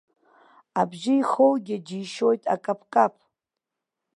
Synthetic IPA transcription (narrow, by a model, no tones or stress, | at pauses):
abʒɪjχowɡʲɪd͡ʒiːʃo̞jtʼa̰kʼapʰkʼapʰʼ